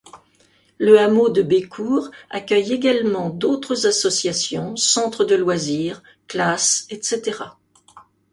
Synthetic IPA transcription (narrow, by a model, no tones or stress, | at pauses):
ləamod̪əbekʰuʁa̰kʲœjeɡalmɑ̃d̪ot̪χəzasɔsjasjɔ̃sɑ̃t̪χəd̪əlwaziːʁ | klasɛt̪set̪eʁa